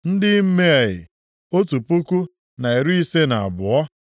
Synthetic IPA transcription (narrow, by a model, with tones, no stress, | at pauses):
n̩˦dɪ˦m̩˦me˦a˨jɪ̰˨ | o˦tu˨pu˦ku˦ | na˨e˨ɾu˦i˦se˦na˨a̰˨bʊ˨ɔ˦